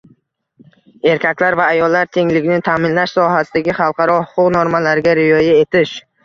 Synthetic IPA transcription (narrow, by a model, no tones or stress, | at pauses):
e̞ɾkʲʰakʲlaɾvaːjɒlːaɾt̪ʰe̞ŋlɪɡʲɪnɪt̪ʰamɪnlaʃsɒɦasɪd̪aɡʲɪχɑlˠqʰɑɾɒhʊqʰʊqnoɾmalaɾɡʲaɾɪjɒjaet̪ʰɪʃ